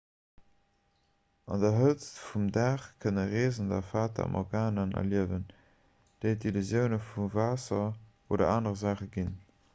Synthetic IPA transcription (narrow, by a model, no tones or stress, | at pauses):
ʔɑ̰ndɐɦət͡sfumdaːχkʰənəʁeːzən̩dɐfaːtʰɐ̰ɑ̰mʔɔ̰ʁɡaːnənɐ̰liəvən | d̥eɪdilyzjəʊnəfuvaːsɐʔoːdɐ̰aːnəʁəzaːχəɡin